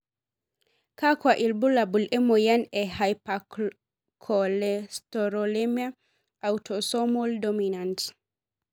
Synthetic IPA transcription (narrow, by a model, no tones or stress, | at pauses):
kakwaʔilbulabulʔɛmɔjanɛhajpa | kʰɔlɛstɔɾɔlemia | ʔawtʰɔsɔmɔldɔminant